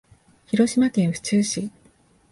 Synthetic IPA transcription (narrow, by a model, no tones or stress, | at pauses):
çiɾo̞ɕimakẽ̞ɰ̃ɸɯ̟̥t͡ɕɨːɕi